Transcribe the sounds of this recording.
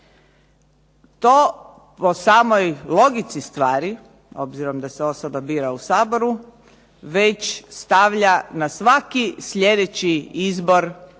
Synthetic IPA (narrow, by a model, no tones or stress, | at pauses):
t̪oː | po̞saːmo̞jlˠo̞ɡit̪sist̪ʋaːɾi | o̞̰bziɾo̞md̪aseo̞sobabiːɾausaːbo̞ɾu | ʋe̞t͡ɕst̪aʋʎanasʋakisʎe̞d̪et͡ɕiizbo̞ɾ